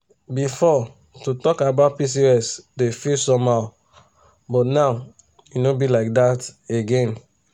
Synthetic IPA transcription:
bifɔ | tutɔkabaʊt̚pis̬iɛsdefilsɔ̃maʊ | bɔtnaʊ | junobilaɪk̚dateɡẽn

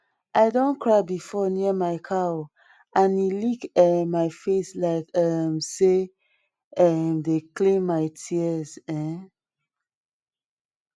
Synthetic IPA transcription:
ʔaɪdõnkɹaɪbifɔniəmaɪkʰaw | ãnilikɛmmːaɪfeslaɪkʌmse | ʌmdeklĩmmaɪtʰiəzɛ̃

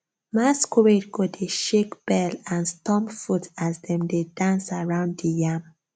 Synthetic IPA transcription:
maskʰuɹetɡodeʃekb̥ɛlãnstɔ̃mfutʰazdɛ̃mdedãnsaɹãʊ̃nddijam

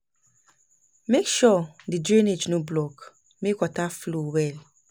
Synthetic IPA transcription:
mekʃɔdidɹined͡ʒnoblɔk | mekwataflowɛl

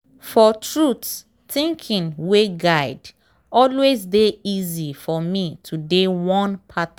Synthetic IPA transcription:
fɔtɹuts | θĩŋkʰĩnweɡaɪd | ɔlwezdeizifɔmitʰudewɔ̃npʰat

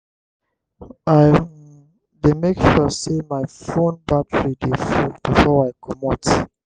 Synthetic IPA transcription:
aɪ | demekʃɔsemajfõnbatʰəɹidefubifɔajkʰɔmɔt

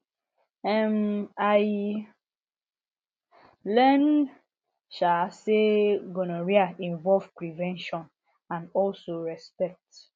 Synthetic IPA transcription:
ɛmaɪ | lɛn | ʃaseɡonoɹiaʔĩɱvɔlvpɹivɛ̃nʃɔ̃n | ãnɔlsoɹɛspɛk̚t

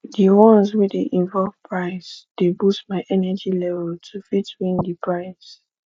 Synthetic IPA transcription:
diwɔ̃nswɛdeʔĩɱvɔlvpʰɹaɪsd̥ebustmaɪʔɛnɛd͡ʒilɛvɛltʰufitwĩndipʰɹaɪs

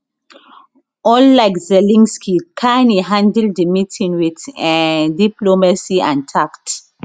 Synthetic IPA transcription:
ɔlːaɪkzɛlĩŋskʰikʰãɪniɦãndɛlddəmitʰĩŋwid | diplomasiãntʰakt

